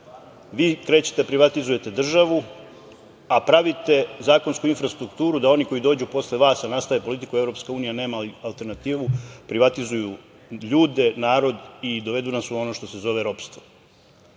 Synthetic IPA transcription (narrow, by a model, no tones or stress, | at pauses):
ʋiːkɾe̞ːt͡ɕe̥t̪epɾiʋat̪izuje̞t̪e̞d̪r̩ʒaʋu | apɾaʋit̪e̞zaːko̞nskuinfɾast̪ɾukt̪uːɾud̪ao̞niko̞jid̪o̞ːd͡ʑupo̞sle̞ʋaːsanast̪aʋe̞po̞lit̪ikue̞vɾo̞pskauːnijane̞ːmaialˠt̪e̞ɾnat̪iːʋupɾiʋat̪izuju | ʎuːd̪e̞naːɾo̞d̪id̪o̞ʋe̞d̪unasuo̞no̞ːʃt̪o̞se̞zo̞ʋeɾo̞pst̪ʋo